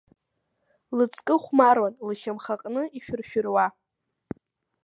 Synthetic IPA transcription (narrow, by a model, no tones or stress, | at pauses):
lɨt͡sʰʼkʼɨχʷmarwanlɨʃamχaqʼnɨiʃᶣʊrʃᶣʊrwa